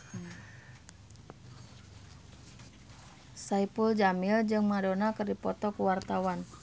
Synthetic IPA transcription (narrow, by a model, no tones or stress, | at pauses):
saipuld͡ʒamɪld͡ʒɨŋmadonakɨrdipɔt̪ɔkuwart̪awan